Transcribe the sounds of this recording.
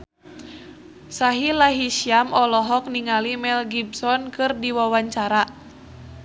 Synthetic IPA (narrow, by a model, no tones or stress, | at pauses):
saɦilaɦisiamɔlɔɦɔk̚niŋalimɛlɡib̚sɔnkɨrdiwawaɲt͡ʃaɾa